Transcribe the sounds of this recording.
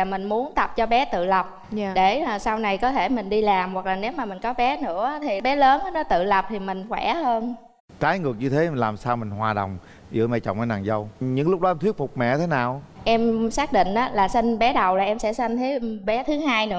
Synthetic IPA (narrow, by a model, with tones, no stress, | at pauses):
a˨˩mï˨˩ŋ̟mu˨˦ənt̪ə˨˩p̚t͡ɕɔ˧ɓɛ˨˦t̪ɨ̰˧˨lə˨˩p̚ː | ɗe˧˩˨sa˧wna˨˩jkɔ˨˦t̪ʰe˧˩mï˨˩ŋ̟ɗi˧laː˨˩mwa˨˩k̚laː˨˩ne˨˦wmaː˨˩mï˨˩ŋ̟kɔ˨˦ɓɛ˨˦nɨ̰˧˥ə˨˦t̪ʰi˨˩ɓɛ˨˦ləː˨˦n˨˦nɔ˨˦t̪ɨ̰˧˨lə˨˩p̚t̪ʰi˨˩mï˨˩ŋ̟xwɛ˧˩həː˧n | kaː˨˦jŋɨ˨˩ək̚ɲɨ˧t̪ʰe˨˦˨nlaː˨˩msaː˧wmï˨˩ŋ̟hwaː˨˩ɗə̰˨˩wŋ͡m | ʔḭ˧˩əmɛ̰˧˩t͡ɕɔ̰˧˨wŋ͡mʔə˧˦na̰ː˨˩ŋzə˧wɲɨ̰˧˥ŋlʊ˦˥k͡p̚ɗɔ˨˦ɛ˧t̪ʰwi˦˥ət̚fʊ˨˩k͡p̚mɛ̰˧˨t̪ʰe˨˦naː˨˩wʔɛ˧msaː˦˥k̚ɗḭ̈˧˨ŋ̟ʔaː˨˦laː˨˩si˧ŋ̟ɓɛ˨˦ɗə˨˩wlaː˨˩ʔɛ˧msɛ̰˧˥sa˧jŋ̟t̪ʰe˨˦ɓɛ˨˦t̪ʰɨ˨˦ɦaː˧jnɨ̰˧˥ə